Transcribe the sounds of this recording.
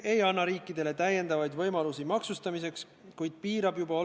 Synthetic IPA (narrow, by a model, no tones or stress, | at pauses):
e̞jɑnːɑɾiːkːˑid̪e̞le̞t̪æjːe̞nd̪̥ɑvɑjd̪vɤjmɑlusimɑksust̪ɑmise̞ks | kujd̪̥̚piːɾɑb̥jubɑo